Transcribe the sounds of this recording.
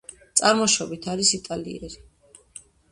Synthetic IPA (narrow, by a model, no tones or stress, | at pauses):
t̪sʼaɾmɔʃɔbit̪ʰaɾisit̪ʼalḭɛɾi